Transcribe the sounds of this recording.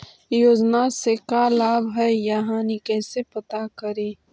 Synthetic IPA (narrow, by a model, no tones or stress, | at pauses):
joːd͡ʒnasekalaːbɦɛjaɦãnikɛːsepɐt̪akəɾeː